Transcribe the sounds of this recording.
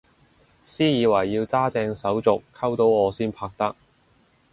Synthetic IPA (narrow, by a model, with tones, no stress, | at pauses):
siː˥jiː˨˧wɐ˨˩jːiː˧wt͡saː˥t͡sɛː˧ŋsɐ˨˥wt͡sʊ˨kʰːɐ˥wt̪o˨˥wɔː˨˧siː˥npʰaː˧k̚t̪ɐ˥k̚